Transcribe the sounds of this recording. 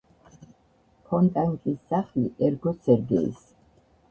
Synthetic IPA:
pʰɔnt̪ʼaŋkʼisːaχliʔɛɾɡɔsʰɛɾd̪ɛ̰ːs

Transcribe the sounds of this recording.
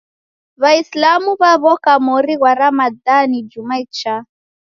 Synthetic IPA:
βaislamuβaβɔkamɔɾiɣwaɾamadanid͡ʒumait͡ʃa

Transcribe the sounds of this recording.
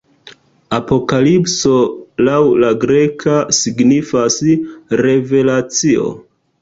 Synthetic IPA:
apo̞kalipso̞lawlaɡɾe̞kʰasiɡnifasɾe̞ve̞lat͡sio̰

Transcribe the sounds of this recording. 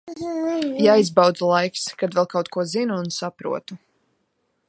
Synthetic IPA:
jajzbawd̪zalˠajkskad̪vɛlˠkaɑwt̪̚kuɔzinuːnsapɾṵɔt̪u

